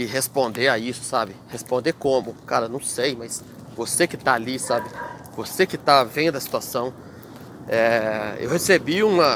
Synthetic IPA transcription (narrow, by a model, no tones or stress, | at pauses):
ɪɦespõnd̪eɾaisʊ̥sabɪhespõnd̪ekõmʊkaɾɐnɐ̃w̃sejmɐjs | vosekɪt̪aalisabɪ | vosekɪt̪avẽd̪ʊd̪ɐsi̥t̪uasɐ̃w̃ | ɛḛwhesebiũmɐ